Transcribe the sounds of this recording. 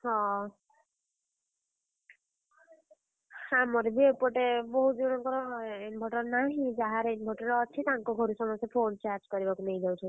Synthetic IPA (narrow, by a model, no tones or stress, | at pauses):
ɦɔ̃ | hamɔɾebiepɔʈebɔɦud͡ʒɔɽ̃ɔŋkɔɾɔɦenbʱɔʈɔɾnaɦĩd͡ʒaɦaɾenbʱɔʈɔɾɔt͡ʃʰit̪aŋkɔɡʱɔɾusɔmɔsepʰont͡ʃaɾd͡ʒkɔɾibakunejd̪awt̪ʰɔ